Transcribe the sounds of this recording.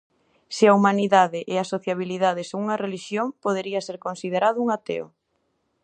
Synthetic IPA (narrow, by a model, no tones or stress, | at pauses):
sɪaumaniðaðɪʔeasoθjaβ̞iliðað̞ɪsuŋɐreliʃjoŋpoð̞eɾiɐseɾkonsið̞eɾaðʊuŋat̪ḛʊ̰